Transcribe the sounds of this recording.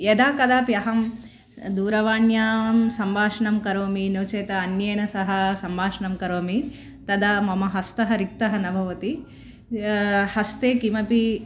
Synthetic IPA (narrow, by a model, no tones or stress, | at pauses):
jed̪aːkɐd̪aːpjɐɦɐm | d̪uːɾɐʋaːnjaːmsɐmbʱaːʂɐɳɐmkɐɾoːminoːt͡ʃeːt̪ɐːnjɐjɳɐsɐɦɐ̆sɐmbʱaːʂɐɳɐmkɐɾoːmi | t̪ɐd̪ɐmɐmɐɦɐst̪ɐɦɐɾik̚t̪ɐɦɐnɐbʱɐʋɐt̪i | hɐst̪eːkimɐpi